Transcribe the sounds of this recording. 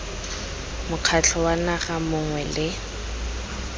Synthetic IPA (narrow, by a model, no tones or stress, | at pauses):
mʊq͡χʰat͡ɬʰɔwanaχamʊŋwɛlɪ